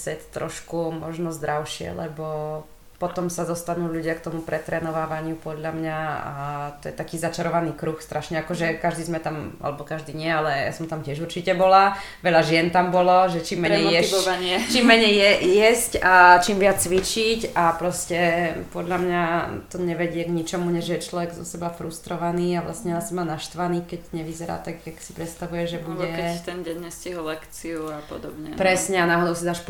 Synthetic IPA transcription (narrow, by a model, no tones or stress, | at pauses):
sɛt̪t̪ːɾɔ̰ʃkumɔʒnɔzd̪ɾaʊʃɪɛ̰lɛbɔ | pɔt̪ɔmsad̪ɔst̪anuːʎuɟɪakt̪ɔmupɾɛt̪ɾɛːnɔʋaːʋaɲɪupɔd̪ʎamɲaa̰t̪ɔjɛt̪akiːzat͡ʃaɾɔʋaniːkɾuxst̪ɾʔaʃɲɛakɔʒɛkaʒd̪iːzmɛt̪ama̰lɛbɔkaʒd̪iːɲɪɛalɛja̰sɔmt̪amcɪɛʒuɾt͡ʃicɛbɔlaʋɛʎaʒɪɛnt̪ambɔlɔʒɛt͡ʃiːmːɛɲɛjɛaɲɪɛt͡ʃimːɛɲɛjjɛjɛscat͡ʃimʋɪat͡st͡sʋit͡ʃicapɾɔscɛpɔd̪ʎamɲat̪ɔɲɛʋɛɟɪɛɡɲit͡ʃɔmuɲɛʒjɛɛt͡ʃlɔʋɛɡzɔ̰sɛbafɾust̪ɾɔʋaniːaʋla̰stɲɛasɲɛmaːnaʃt̪ʋaniːkɛɟɲɛʋizɛɾa̰ːt̪aɡjaksi̥pɾɛt̪st̪aʋujɛʒɛbuɟɛkɛt̪ɛnɟɛɲːɛsciɦɔllɛkt͡siuapɔ̰d̪ɔbɲɛ̰pɾɛsɲɛanaːɦɔd̪ɔʊsid̪aːʃp